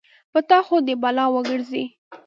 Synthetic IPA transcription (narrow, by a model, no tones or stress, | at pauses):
pət̪ɑxod̪əbalɑwəɡəɾzi